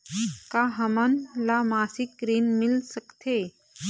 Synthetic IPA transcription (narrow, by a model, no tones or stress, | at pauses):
kaɦəmənlamaːsik̚ːɾiːnmɪlsəkt̪ʰe